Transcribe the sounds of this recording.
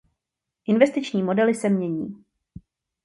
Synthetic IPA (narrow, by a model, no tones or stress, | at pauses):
ʔɪnvɛst̪ɪt͡ʃɲiːmo̞dɛlɪsɛmɲɛɲḭː